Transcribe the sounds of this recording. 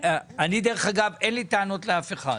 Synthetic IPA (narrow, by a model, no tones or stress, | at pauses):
anid̪eʁeχaɡavenlit̪aano̞t̪leafeχa̰